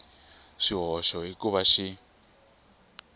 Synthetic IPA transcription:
ʃiɦɔʃɔɦikuβaʃi

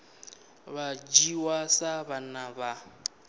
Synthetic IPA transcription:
βad͡ʒiwasabanaba

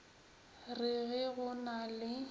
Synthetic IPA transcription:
rɪɣɪɣʊnalɪ

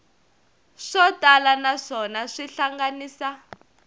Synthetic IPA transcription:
ʂɔtʼalanaʂɔnaʂiɬaŋɡaniːsa

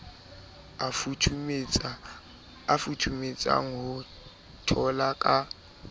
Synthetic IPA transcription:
afutʰumet͡sʼa̰ŋ̩ɦʊ | tʰɔlakʼa

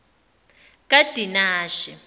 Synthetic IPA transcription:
kʼad̥ʱinaːʃɛ

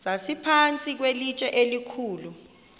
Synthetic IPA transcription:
zasipʰant͡sʼik̬welit͡ʃʼɛʔelikʰuːlu

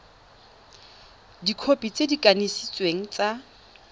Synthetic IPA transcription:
dikʰopʼit͡sedikʼanesit͡sʼweŋ̩t͡sʼa

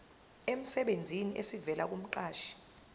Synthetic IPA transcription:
em̩sɛɓend͡zʱiniʔesivɛlʔak̬um̩ǃaːʃi̥

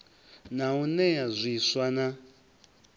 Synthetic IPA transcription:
naunɛazʷiswana

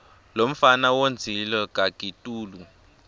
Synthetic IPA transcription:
lom̩fanawond͡zʱilɔk̬ʼakʼitʼuːlu

